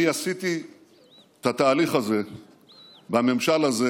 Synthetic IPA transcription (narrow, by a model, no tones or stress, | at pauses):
iasit̪i | t̪at̪aːliχaze̞ | bame̞mʃalaze